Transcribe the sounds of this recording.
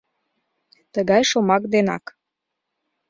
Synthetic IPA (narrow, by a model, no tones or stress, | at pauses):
t̪əɣɑjʃomɑkd̪enɑ̰k